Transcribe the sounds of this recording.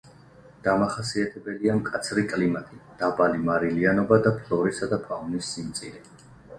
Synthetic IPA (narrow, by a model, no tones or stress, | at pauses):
d̪̥amaχasiat̪ʰɛbɛliamkʼat̪sʰɾikʼlimat̪ʼid̪̥abalimaɾilianɔbad̪apʰlˠɔɾisad̪apʰaunisːimt̪sʼiɾi